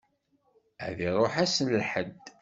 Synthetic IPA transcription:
æ̰ðiɾˤoħæsənlħəd̪

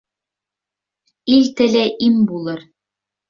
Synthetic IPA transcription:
ilt̪ɘ̆læʔimbulˠɤɾ

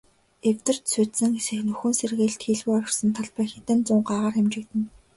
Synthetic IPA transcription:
ewt̪ɘ̆r̥t̪suːt̪sɘ̆ŋsɘ̆xnɵxɵ̆nserɣeːɮt̪xiɮwuːɔɾ̆ʲrsə̆nt̪ʰaɮpæːxit̪ɘ̆nt͡sʊːɴɢaːʁaːrxemt͡ɕɪ̆kt̪ɘ̆n

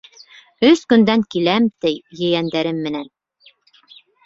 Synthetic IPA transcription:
ɵskɵ̆nd̪æŋkilæmt̪ɘjjɘ̆jænd̪æɾɘmːɘ̆næn

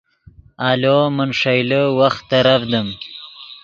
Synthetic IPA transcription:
alomənʂajləwaxt̪ːaɾafd̪əm

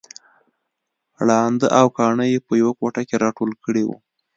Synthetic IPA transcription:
ɽɑnd̪əʔawkɑɳəjepəjawakoʈakeɾɑʈolkəɽewṵ

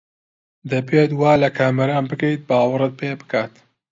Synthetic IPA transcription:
d̪ɐbeːt̪waːlɐkʰaːmɐɾaːnbɨkɐjt̪̚baːwɐrɨt̪̚peːbɨ̥kaːt̪

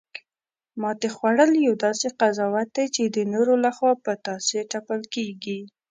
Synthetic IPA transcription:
mɑt̪exwaɽəljawd̪ɑseqazɑwat̪̚d̪ajt͡ʃed̪ənoɾolaxwɑpət̪ɑseʈapəlkeɡi

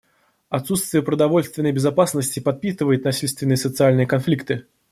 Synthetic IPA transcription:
ɐt̪sut̪st̪vʲɪjəpɾəd̪ɐvo̞lʲst̪vʲɪnːəjbʲɪzɐpasnəsʲtʲɪpɐt̪̚pʲit̪ɨvəjɪt̪nɐsʲilʲst̪vʲɪnːɨjəsət̪sɨalʲnɨjəkɐnflʲikt̪ɨ

